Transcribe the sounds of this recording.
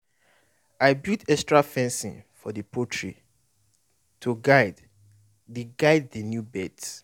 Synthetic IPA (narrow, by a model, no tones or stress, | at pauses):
aɪbutɛkstɹafɛ̃nsḭ̃nfɔðəpʰotʰɹḭ | tʰuɡad | deɡaɪd̚ðənjubɛts